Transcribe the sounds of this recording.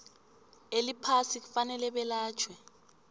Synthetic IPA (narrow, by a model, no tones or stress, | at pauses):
elipʰasik̬ufanɛlɛɓɛlaːt͡ʃʰwɛ